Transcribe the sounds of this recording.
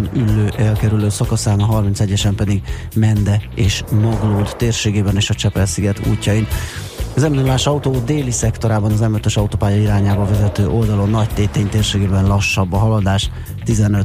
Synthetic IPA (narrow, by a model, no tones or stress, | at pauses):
nylːøːʔɛlkɛɾyløːsɒkɒsaːmɒɦɒrmint̪sɛɟːɛʃɛmpɛd̪iɡ | mɛnd̪ɛeːʃnoɡlud̪t̪eːrʃeːɡeːbɛneːʃɒt͡ʃɛpɛlsiɡɛt̪ṵːcːɒjin | ɒzɛmbinulaːʃɒut̪oːd̪eːlisɛkt̪o̞ɾaːbɒnɒzɛmøt̪øʃɒut̪oːpaːjɒiɾaːɲaːbɒvɛzɛt̪øːʔo̞ld̪ɒlo̞nːɒct̪eːt̪eːɲt̪eːrʃeːɡeːbɛnlɒʃːɒbːɒɦɒlɒd̪aːʃ | t̪izɛnø